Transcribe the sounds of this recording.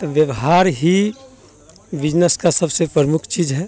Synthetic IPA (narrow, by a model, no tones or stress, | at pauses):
ʋjəʋɦaːɾɦi | ʋɪd͡ʒnəskasɐbsepɾəɾmʊkʰt͡ʃiːd͡ʒɦɛː